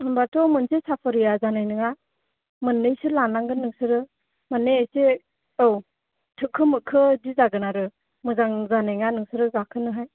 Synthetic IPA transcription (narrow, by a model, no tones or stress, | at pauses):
ɯmbatʰɔmɯnsesapʰɯɾijazanajnɯŋa | mɯnːɯjsɯlanaŋɡɯnːɯŋsɯɾɯ | manːease | ɯw | tʰɯkʰːɯmɯkʰːɯdizaɡɯnaɾɯ | mɯzaŋzanajŋanɯŋsɯɾɯɡakʰɯnɯɦaj